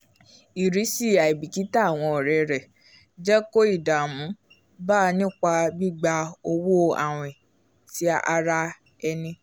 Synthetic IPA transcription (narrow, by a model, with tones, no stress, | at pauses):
i˨ɾi˨˦si˦˨a˨i˨bi˨ki˨˦ta˦˨w̃ɔ̃˧ɔ˨ɾɛ˨ɾɛ˨ | d͡ʒɛ˦ko˦i˦˨da˨mũ˨˦ | ba˦˧nĩ˦k͡pa˧bi˦ɡ͡ba˧o˧wo˦a̰˨w̃ĩ˨ | ti˨˦a˦a̰˧ɾa˦ | ɛ˧nĩ˧